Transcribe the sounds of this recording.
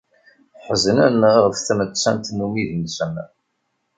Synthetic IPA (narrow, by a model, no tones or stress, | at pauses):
ħəzənænəʁʁəfθmət͡sːænt̪numiðinsəm